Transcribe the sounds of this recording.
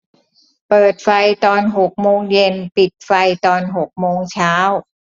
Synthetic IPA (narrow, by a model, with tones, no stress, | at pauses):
pɤː˨˩t̪̚fa˧jt̪ɔː˧nɦo˨˩k̚moː˧ŋje˧npi˨˩t̪̚fa˧jt̪ɔː˧nɦo˨˩k̚moː˧ŋt͡ɕʰaː˦˥w